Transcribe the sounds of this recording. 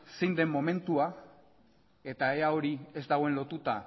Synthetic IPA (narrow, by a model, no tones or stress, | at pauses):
sejnd̪e̞mːo̞me̞nt̪ua | e̞t̪ae̞ao̞ɾie̞zd̪aɣo̞e̞nlo̞t̪ut̪a